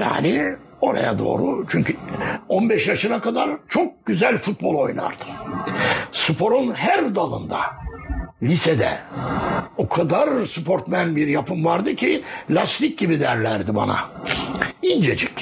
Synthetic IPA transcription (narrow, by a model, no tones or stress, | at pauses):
ja̰ːni | o̞ɾa̰ja̰d̪o̞̰ːɾut͡ʃʰyɲcyonbɛʃjaʃɯnakad̪aɾt͡ʃʰok̚ɟ̥yzælʲfut̪̚bo̞lˠo̞jna̰ɾd̪̥ɯ̥ | sɯpʰo̞ɾunɦæɾd̪alˠɯ̰nd̪a̰ | lʲised̪ɛ̰ | okʰad̪aɾsupʰo̞ɾt̪mænbiɾjapʰɯmvaɾd̪ɯcʰilʲast̪ic̚ɟibid̪æɾlʲæɾd̪iba̰na̰ | ind͡ʒed͡ʒɛc